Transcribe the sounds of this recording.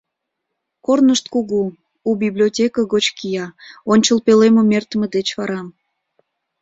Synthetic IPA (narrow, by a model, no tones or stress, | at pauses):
kornəʃt̪kuɣu | ubiblʲiotʲekəɣot͡ɕkijɑonʲt͡ɕəlpeleməmert̪əmed̪et͡ɕβɑɾɑm